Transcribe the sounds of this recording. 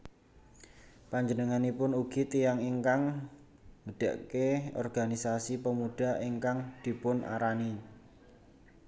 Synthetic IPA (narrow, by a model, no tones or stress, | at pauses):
paɲd͡ʒənəŋanipʊnuɡ̥i̤t̪ijaŋiŋkaŋ | məɖ̥a̤̰ʔkeɔ̰rɡ̥a̤nisasipəmuɖ̥a̤iŋkaŋd̪̥i̤pʊnʔa̰ɾani